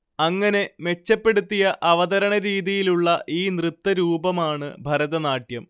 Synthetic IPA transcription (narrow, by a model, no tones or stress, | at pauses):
ɐŋːɐne̞me̞t͡ɕːɐpːe̞ɽut̪ːijɐʔɐʋɐðɐɾɐɳɐɾiːðijiluɭːɐʔiːnrɨt̪ːɐɾuːbɐmaːɳɨbʱɐɾɐðɐnaːʈjɐm